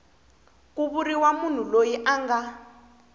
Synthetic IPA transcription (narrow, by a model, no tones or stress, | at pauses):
k̬uβuɾiwamun̤ulojiʔaŋɡa